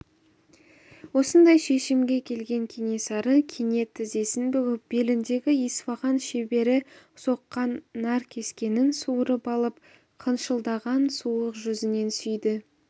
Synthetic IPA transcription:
wo̞sənd̪ɑjʃe̞ʃɪmɡʲe̞kʲʰe̞lɡʲe̞ŋkʲʰene̞sɑɾəkʲʰene̞t̪ʰːɪze̞sɪnbʏɡʲɪp̚be̞lɪnd̪e̞ɡʲɪisvɑʁɑnʃe̞be̞ɾɪ | so̞qːɑnːæɾkʲʰe̞skʲe̞nɪnsuɾəpɑlˠəp̚ | qʰənʃəlˠd̪ɑʁɑnsuəqʒʏzɪne̞nsʏjd̪ɪ

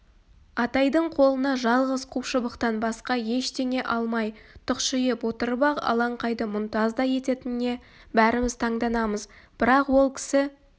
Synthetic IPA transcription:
ɑt̪ɑjd̪əɴqʰo̞lˠənɑʒɑlˠʁəzqʰuwʃəbəqt̪ɑnbɑsqɑje̞ʃt̪e̞ŋe̞ʔɑlˠmɑjt̪ʰʊqʃɪjɪpwot̪əɾbɑqɑ̰lˠɑɴqɑjd̪əmʊnt̪ɑzd̪ɑje̞t̪e̞t̪ɪnɪːe̞ | bæɾɪmɪzt̪ʰɑɴd̪ɑnɑməz | b̥ɪɾɑqwo̞lˠkʲʰɪ̥sɪ

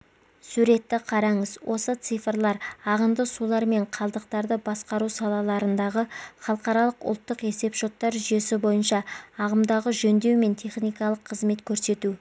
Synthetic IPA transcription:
suɾe̞t̪ːɪqʰɑɾɑɴəzwʔo̞sət̪sɨjfrlˠɑɾɑʁəmd̪əsulˠɑɾme̞ɴqʰɑlˠd̪əq̚t̪ɑɾd̪əbɑsqɑɾusɑlˠɑlˠɑɾənd̪ɑʁəχɑlˠəqɑɾɑlˠəqʊ̰lˠt̪ːəqe̞se̞pʃo̞t̪ːɑɾʒʏje̞sɪbo̞jənʃɑːʁəmd̪ɑʁəʒɵnd̪e̞wme̞nt̪ʰe̞χnijkɑlˠəqʰːəzme̞t̪kʲʰɵɾse̞t̪u

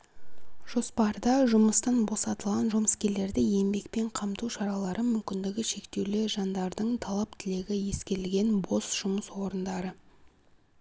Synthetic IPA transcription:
ʒ̥o̞spɑɾd̪ɑʒʊməst̪ɑnbo̞sɑt̪əlˠʁɑnʒʊməskʲe̞ɾle̞ɾd̪ɪje̞mbe̞k̚pe̞ɴqʰɑmt̪uwʃɑɾɑlˠɑɾʔəmʏmkʲɪnd̪ɪɡʲɪʃe̞kt̪e̞wlɪʒɑnd̪ɑɾd̪əɴt̪ʰɑlˠɑp̚t̪ʰɪle̞ɡʲɪje̞skʲe̞ɾɪlɡʲe̞nbo̞sʒ̥ʊməswo̞ɾənd̪ɑɾə

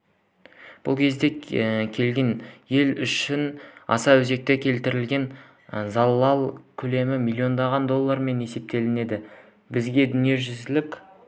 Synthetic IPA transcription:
b̥ʊ̰lˠkʲʰe̞zd̪e̞kʲʰe̞lɡʲe̞nje̞lʏʃɪnɑ̰sɑwɵze̞k̚t̪e̞kʲʰe̞lt̪ɪɾɪlɡʲe̞n | zɑlˠːɑlˠkʲʰɵle̞mɪmilʲːio̞nd̪ɑʁɑnd̪o̞lˠːɑɾme̞ne̞se̞p̚t̪e̞lɪne̞d̪ɪ | bɪzɡʲe̞d̪ʏnie̞ʒʏzɪlɪkʲ

